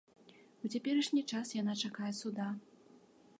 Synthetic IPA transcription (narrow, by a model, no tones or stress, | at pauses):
ut͡sʲapʲɛɾɐʂnʲit͡ʂasjanat͡ʂakajɛsud̪a